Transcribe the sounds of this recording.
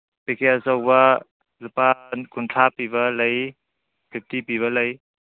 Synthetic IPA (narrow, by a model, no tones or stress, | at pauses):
pekʰeasawbɐ | lupankuntʰapiβɐlɐj | bʰʱip̚tipiβɐlɐj